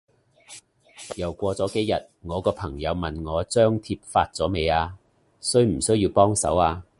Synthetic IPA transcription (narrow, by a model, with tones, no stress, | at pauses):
jɐ˨˩wkʷɔː˧t͡sɔː˨˥ke˨˥jɐ˨t̚ŋɔː˨˧kɔː˧pʰɐ˨˩ŋjɐ˨˧wmɐ˨nŋɔː˨˧t͡sœː˥ŋt̪ʰiː˧p̚faː˧t̚t͡sɔː˨˥me˨˧jaː˧ | sɵ˥ɥm̩˨˩sɵ˥ɥjiː˧wpɔː˥ŋsɐ̰˨˥waː˧